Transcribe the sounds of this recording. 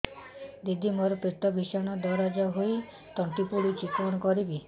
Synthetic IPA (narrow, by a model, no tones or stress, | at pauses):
d̪id̪ʱimɔɾɔpit̪ɔbʱiʃaɽ̃ɔd̪ɔɾad͡ʒaɦoj | t̪ɔɳʈipuɽut͡ʃit̪ɾɔñɔkɔɾibi